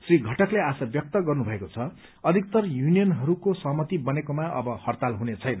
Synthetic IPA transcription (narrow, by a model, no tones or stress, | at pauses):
sriɡʱʌʈʌkleasʌbjʌk̚t̪ʌɡʌrnubʱʌekot͡sʰʌ | ʌd̪ʱik̚t̪ʌrjunijʌnɦʌɾukosʌɦʌmʌt̪ibʌnekomaʔʌ̰bʌhʌrt̪alɦunet͡sʰʌjnʌ